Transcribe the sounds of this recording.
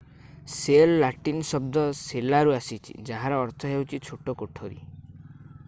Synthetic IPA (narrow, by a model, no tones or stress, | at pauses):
selːaʈinsɔb̚d̪ɔselaɾuasit͡ʃʰḭd͡ʒaɦãɾɔːɾt̪ʰɔɦewt͡ʃʰit͡ʃʰoʈokoʈʰoɾḭ